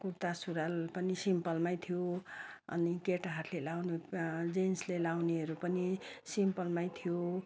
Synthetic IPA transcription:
kuɾt̪asuɾalpʌnisimpʌlmajt̪ʰijoʌ̰nikeʈɦaɾlelawned͡zenslelawneɦʌɾupʌnisimpʌlmajt̪ʰijo

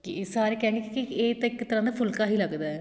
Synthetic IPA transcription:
kisaːɾekɛ̃ːŋɡekikieːt̪ãɪkːt̪əɾãːd̪aːpʰʊlkaːɦiːləɡd̪aɛ

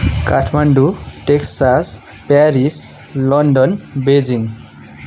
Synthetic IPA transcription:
kaʈʰmaɳɖuʈeksas | paɾislʌnɖʌnbed͡ziŋ

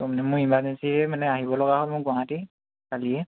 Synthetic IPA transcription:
tɔmanɛmʊɹimbazɛnsiɹɛmanɛaɦibɔlɔɡaɦɔlmʊɹɡɔaŋati | kaliɛ

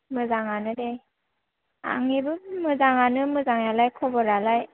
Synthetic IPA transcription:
mɯzaŋanɯde | a̰ŋibɯmɯzaŋanɯmɯzaŋjalajkʰɔbɔɾalaj

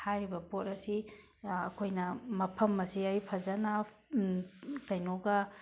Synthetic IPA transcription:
hajɾibɐpot̚ɐsḭː | kʰojnɐmɐpʰɐmːɐsiɐjpʰɐzɐna | kɐjnoɡɐ

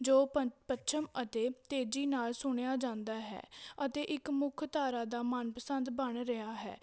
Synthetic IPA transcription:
d͡ʒoːəpətːʃʰəmət̪eːt̪eːd͡ʒiːnaːlsʊɳ̃ejaːd͡ʒãːnd̪aːɦɛ̰ːət̪eːʔɪkmʊkʰt̪aːɾaːd̪aːmənpəsənd̪bəɳɾəɦaːɦɛ̰ː

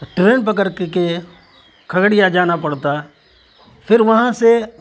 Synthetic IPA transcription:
ʈɾeːnp̬ɐkəɾkke | kʰɐɡɽijad͡ʒaːnapɐɽt̪a | pʰɪɾʋɐɦãse

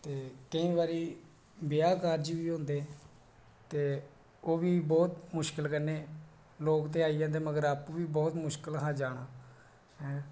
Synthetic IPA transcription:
t̪eːkəĩːbaːɾiː | bɪjaːkaːɾd͡ʒiʋiːɦõːnd̪eː | t̪eː | oːʋiːbɔːt̪mʊʃkɪlkənːeː | loːkt̪̬eːaːiːãːd̪eːməɡəɾaːpːʋiːbɔːt̪mʊʃkəlɦaːd͡ʒaːɽ̃aː | ɦɛ̃ː

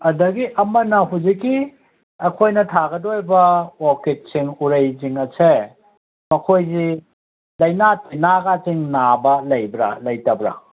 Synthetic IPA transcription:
ɐdɐɡiʔɐmɐnɐɦuzikːi | ɐkʰojnɐtʰaɡɐdojbɐwoket̚siŋuɾejziŋɐse | mɐkʰojzi | lɐjnatʰinaɡaziŋnabɐlɐjbɾa̰lɐjtɐbɾa̰

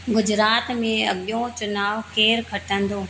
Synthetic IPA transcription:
ɡʊd͡ʑɾaːt̪mẽɐɠɪjõt͡ɕʊnaːʋkeːɾkʰɐʈə̃n̆d̪oː

